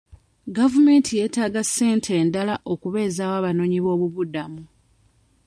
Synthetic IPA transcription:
ɡavume̞ːntʰije̞ːtaːɡasːe̞ːntʰe̞ːndalaʔo̞kuβe̞ːzaːwaːβano̞ːɲiβo̞ːβuβudamu

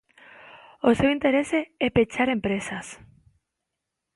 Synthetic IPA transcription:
osewint̪eɾeseɛpet͡ʃaɾempɾesas

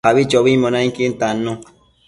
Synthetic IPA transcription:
aβit͡ʃɔβimɔ̃nãŋkint̪anːõ

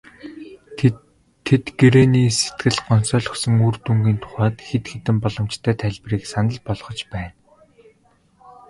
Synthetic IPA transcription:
et̪ɡeɾeːniːset̪ɡɘ̆ɮɢɔnsœːɮɞ̆xsɞ̆ŋuːrt̪uŋɡiːnt̪ʰʊ̥χaːt̪xet̪xet̪ɘ̆mpɔɮɞ̆mt͡ɕt̪ʰæːt̪ʰæɮʲpriːksanə̆ɮpɔɮχɞ̆t͡ɕpæːn

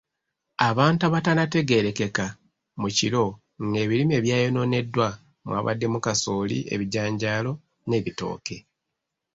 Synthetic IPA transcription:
aβaːntaβatanate̞ɡe̞ɾe̞ke̞ka | mucilo̞ | ŋɡe̞ːβilime̞ːβjaːjono̞ne̞dːwa | mwa̰ːβa̰dːe̞mukasoːlḭe̞̰βiɟaːɲɟaːlo̞ | ne̞ːβito̞̰ːke̞

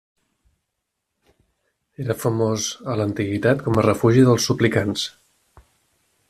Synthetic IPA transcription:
eɾəfəmozələnt̪iɣit̪at̪kɔmərəfuʒiðəlˠsuplikans

